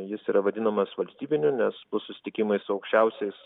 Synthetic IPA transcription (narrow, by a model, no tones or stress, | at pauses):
jɪsiːɾɐʋɐd̪ʲɪnɐmɐsʋɐlʲsʲt̪ʲiːbʲɪnʲʊnʲɛspʊsʊsʲɪ̥t̪ʲɪkʲɪmɐɪsʊɐʊkʃʲt͡ʃʲɛʊsʲɛɪs